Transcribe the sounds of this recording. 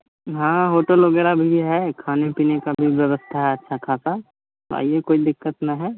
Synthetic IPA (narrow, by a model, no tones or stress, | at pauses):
ɦãːɦoːʈəlʋɐɡɛːɾabʱiɦɛkʰaːnepiːnekabʱiʋjɐʋəst̪ʰaɦɛɐtːʃʰakʰaːsa | t̪o̰a̰ːiekoːid̪ɪkːət̪nɐɦɛː